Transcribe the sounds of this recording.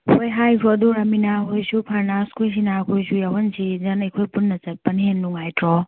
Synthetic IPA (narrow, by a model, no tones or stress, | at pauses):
hojɦajkʰɾoɐduɾɐminaɦojsupʰɐɾnaskʰojs̬inakʰojsujawɐnsizɐnekʰojpunːɐt͡ʃɐt̚pɐnɦenːuŋajtɾɔ